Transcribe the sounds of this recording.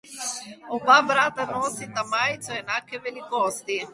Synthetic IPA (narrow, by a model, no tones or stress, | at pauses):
obabɾat̪anɔsit̪amajt̪soɛnakːevelikɔst̪i